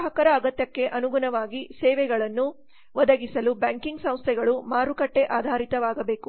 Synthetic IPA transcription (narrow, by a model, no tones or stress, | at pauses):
ɦɐkɐɾɐːɡɐt̪jɐkːe̞ʔɐnuɡunɐʋaːɡisɛːʋɛɡɐɭɐnːu | ʋɐd̪ɐɡisɐlubaŋkiŋɡsɐ̃w̃st̪ʰɛɡɐɭumaːɾukɐʈːe̞ʔaːd̪ʱaːɾit̪ɐʋaːɡɐbeːku